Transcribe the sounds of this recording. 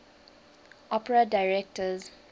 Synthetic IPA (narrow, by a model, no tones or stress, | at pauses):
ʔɔpɹadaɪɹɛk̚təz